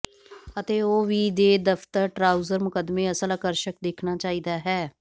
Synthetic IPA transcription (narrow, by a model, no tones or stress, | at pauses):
ət̪eːoːʋiːd̪eːd̪əpʰt̪əɾʈɾaːuzəɾmʊkəd̪mẽːəsələkəɾʃəkd̪eːkʰnaːt͡ʃaːiːd̪aːɦɛː